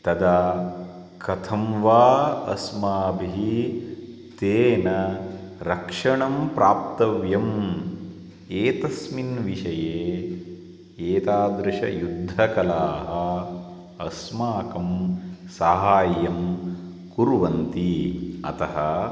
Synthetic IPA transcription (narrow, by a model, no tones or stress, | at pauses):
t̪ɐd̪ɐ | kɐt̪ʰɐmʋaːɐ̰smaːbʱii | t̪eːnɐɾɐkʂɐɳɐmpɾaːp̚t̪ɐʋjɐm | eːt̪ɐsminʋiʂɐjeː | eːt̪aːd̪ɾɪʂɐ̰jud̪ʱːɐkɐlaːɦɐ | ɐsmaːkɐmsaːɦaːjɐm | kuɾʋɐnt̪iɐ̰t̪ɐɦɐ